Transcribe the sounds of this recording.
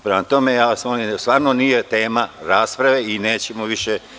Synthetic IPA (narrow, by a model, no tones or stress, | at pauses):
pɾemat̪o̞mejaːsmonist̪ʋaːɾnonijet̪eːmaɾaːspɾaʋe̞ineːt͡ɕemoʋiʃe